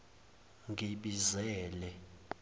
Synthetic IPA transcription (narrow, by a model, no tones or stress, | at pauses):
ŋʱiɓizɛːlɛ